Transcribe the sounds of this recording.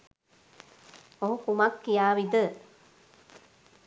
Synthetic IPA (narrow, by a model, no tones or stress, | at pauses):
oɦũkumɐkːijaːʋid̪ə